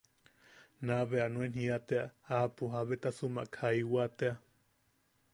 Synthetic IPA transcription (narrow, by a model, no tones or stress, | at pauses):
naβeanũenɦiat̪eaapuɦaβet̪asuma̰ʔkʰaiwat̪ea